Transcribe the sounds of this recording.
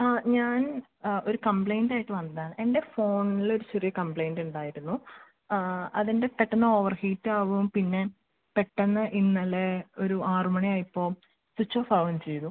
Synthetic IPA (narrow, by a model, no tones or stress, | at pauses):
aːɲaːn | o̞ɾukɐmplejndaːjiʈːɨʋɐnd̪aːɳe̞nde̞fo̞ːɳilo̞ɾut͡ɕerijɐkɐmpɭejnduɳɖaːjiɾunːu | ɐðinde̞peʈːɐnːɐo̞ːʋɐrhiːtːɨaːʋumpinːe̞ | peʈːɐnːɐʔinːɐleoɾuaːrmɐɳijaːjipːo̞ː | sut͡ɕːoːfɐʋɐnt͡ɕe̞jt̪ːu